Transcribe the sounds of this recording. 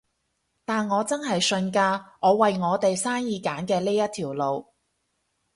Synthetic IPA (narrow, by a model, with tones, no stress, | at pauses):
t̪aː˨nŋɔː˨˧t͡sɐ˥nɦɐ˨jsɵ˧nkaː˧ŋɔː˨˧wɐ˨jŋɔː˨˧t̪e˨jsaː˥njiː˨˧kaː˨˥nkɛː˧liː˥jɐ˥t̚t̪ʰiː˨˩wlo˨w